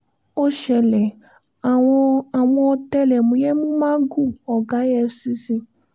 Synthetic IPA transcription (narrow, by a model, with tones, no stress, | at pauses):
o˦ʃɛ˧lɛ˨ | ɔ˧˦a˨w̃ɔ̃˧ɔ˧t̪ɛ˦lɛ˨mũ˨jɛ˦mũ˦mã˦ɡu˦˨ɔ˨ɡa˨˦jɛ˧si˦si˦